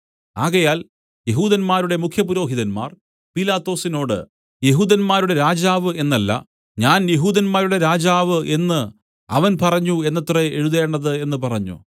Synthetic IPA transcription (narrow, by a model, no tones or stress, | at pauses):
aːɣɐjaːl | jeɦuːðɐnmaːɾuɽe̞mukʰjɐpuɾo̞ːɦiðɐnma̰ːr | pilaːt̪ːo̞ːsino̞ːɽɨ̰ | je̞ɦuːðɐnmaːɾuɽe̞ɾaːd͡ʑaːʋɨe̞nːɐlːɐ̰ | ɲaːnje̞ɦuːðɐnmaːɾuɽe̞ɾaːd͡ʑaːʋɨʔe̞nːɨ | ɐ̰ʋɐnpɐrɐɲːue̞nːɐt̪ːreeɻuðeːɳɖɐðɨe̞nːɨpɐrɐɲːṵ